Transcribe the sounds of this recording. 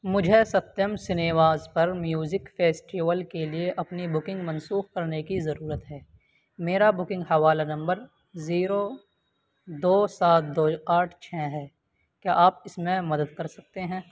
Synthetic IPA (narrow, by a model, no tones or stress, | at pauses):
mʊd͡ʒʱesɐt̪jəmsɪneːʋaːzpɐɾmjuːzɪkfeːsʈiʋəlkelieʔɐpnibʊkɪ̃ŋɡmɐ̃nsuːxkɐɾnekizɐɾuːɾət̪ɦɛː | meːɾabʊkɪ̃ŋɡɦɐʋaːlanɐ̃mbəɾ | ziːɾo | d̪oːsaːt̪̚ʰd̪oːaːʈʰt͡ʃʰɛːɦɛː | kjaːʔaːpɪsmẽmɐd̪əd̪kɐɾsɐk̚t̪eɦɛ̃ː